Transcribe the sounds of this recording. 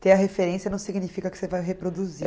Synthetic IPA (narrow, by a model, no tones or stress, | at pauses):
t̪ẽɐɦefeɾẽsiɐnɐ̃w̃siɡnifikɐkɪ̥sevajɦepɾod̪uzi